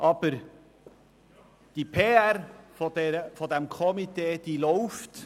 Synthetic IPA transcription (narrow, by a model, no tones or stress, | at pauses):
ʔɑb̥əɾ | d̪̥ipʰeːæɾfod̪ɛɾəfod̪ɛmkʰɔmit̪eːd̪̥iːlɔʊft̪